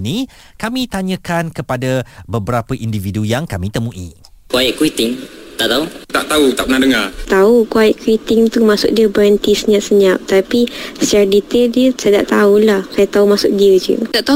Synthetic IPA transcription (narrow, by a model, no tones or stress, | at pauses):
ni | kamĩt̪aɲə̃kankəpadabəbəɾapəʔindividujaŋkamĩt̪əmũʔḭ | kaiʔkuit̪ɪŋt̪aʔt̪aut̪aʔt̪aut̪a̰ʔpənadəŋart̪aukuaɛʔkuit̪ɪŋt̪umasʊ̰k̚diəbəɾənt̪isəɲãʔsəɲap̚t̪apisardit̪eldiəsajt̪a̰ʔt̪aulahsajat̪aumasʊk̚diəd͡ʒṵt̪aʔt̪a